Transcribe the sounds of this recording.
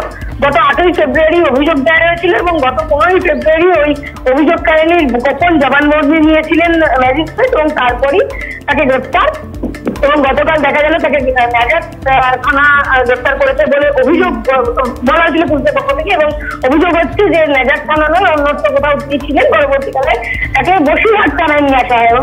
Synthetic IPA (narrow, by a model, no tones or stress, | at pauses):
ɡɔt̪oaʈʰojfebɾuaɾiobʱid͡ʑoɡ̚d̪aaɾoet͡ɕʰiloeboŋɡɔt̪oponojfʰebɾuaɾioj | obʱid͡ʑoɡ̚kaɾeniɾɡɔkʰond͡ʑɔbanboɾninijet͡ɕʰilenlɛd͡ʑisʈeʈeboŋt̪aɾpɔɾit̪akeɡɾept̪aɾ | eboŋɡɔt̪okald̪ɛkʰad͡ʑalot̪akenɛd͡ʑaʈ | t̪ʰanaɡɾeft̪aɾkoɾet͡ɕʰeboleʔobʱid͡ʑoɡ̚bɔlaɾk̬ʰilep̬uɾt̪epɔkʰːot̪ʰekeeboŋobʱid͡ʑoɡɦotːt͡ɕʰed͡ʑenɛd͡ʑat̪̚tʰananɔeonːot̪ʰːokot̪ʰanit͡ɕʰilenpɔɾoboɾt̪ikalet̪akeboʃiɦat̪̚t̪ʰanaenieaʃaɦɔeeboŋ